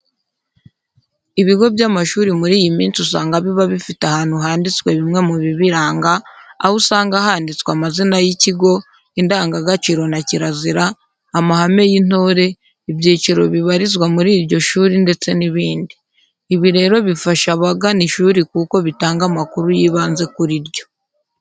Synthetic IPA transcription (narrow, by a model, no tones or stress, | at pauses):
iβiɡo̞bjaːmaʃuːɾimuɾiːjimiːnt͡sus̬aːŋɡaβiβaβifitahaːn̥huɦaːndit͡swe̞βimŋe̞muβiβiɾaːŋɡa̰ːhusaːŋɡahaːndit͡swamazinajiciɡo̞ | indaːŋɡaɡat͡ʃiːɾo̞naciɾaziɾaː | mahame̞jin̥o̞ːɾe̞ | ibjiːt͡ʃiɾo̞βiβaɾizwamuɾiːɾɟo̞ʃuːɾinde̞t͡se̞niβiːndiː | βiɾe̞ːɾo̞βifaʃaβaɡaniʃuːɾikuːko̞βitaːŋɡamakuɾujiːβaːnze̞kuɾiɾɟo̞̥